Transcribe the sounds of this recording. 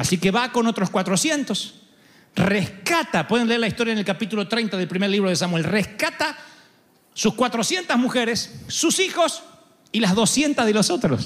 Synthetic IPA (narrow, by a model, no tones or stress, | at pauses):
asikeβako̞not̪ɾo̞skwat̪ɾosje̞nt̪o̞s | rehkat̪apweðe̞nleeɾlaist̪o̞ɾjaenelkapit̪ulot̪ɾejnt̪aðe̞lpɾimeɾliβ̞ɾoð̞esamwelrehkat̪a | suskwat̪ɾo̞sje̞nt̪azmuxeɾesːusixo̞s | ilazðo̞sje̞nt̪azðelosot̪ɾos